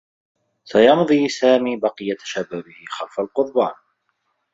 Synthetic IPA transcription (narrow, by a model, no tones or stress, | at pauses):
sajɑnðˤiːsaːmiːbɑqɨjat̪ʃabaːbɪhɪxalfalqʊðˤbaːn